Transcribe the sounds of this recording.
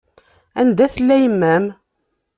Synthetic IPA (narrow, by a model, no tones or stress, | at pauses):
ænd̪æθəlːæjəmːæm